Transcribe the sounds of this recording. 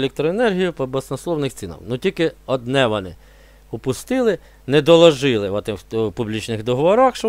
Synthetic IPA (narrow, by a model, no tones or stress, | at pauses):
lʲɛk̚t̪ɾɔenɛrɦʲijʊpɔbɔsnɔslˠɔwnɪxt̪t͡sʲinɐ̰wnutʲilʲkɪɔd̪nɛʋɔnɪ̰ | ʊpʊst̪ɪlˠɪ | nɛd̪ɔlˠɔʒɪlˠɪʋɔt̪ɪpublʲit͡ʃnɪxd̪ɔɦɔʋɔɾɑxʃ